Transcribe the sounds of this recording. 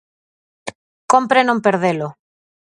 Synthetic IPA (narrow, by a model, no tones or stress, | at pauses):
kompɾenõmpeɾðelo